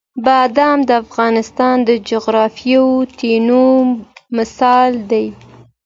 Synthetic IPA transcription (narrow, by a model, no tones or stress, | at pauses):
bɑd̪amd̪əafɣɑnɪst̪ɑnd̪əd͡ʒʊɣɾɑfjawt̪enomɪsɑld̪aj